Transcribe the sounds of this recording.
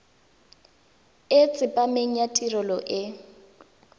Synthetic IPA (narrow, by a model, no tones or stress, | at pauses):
et͡sʼɪpʼameŋ̩jatʼirɔlɔʔɪ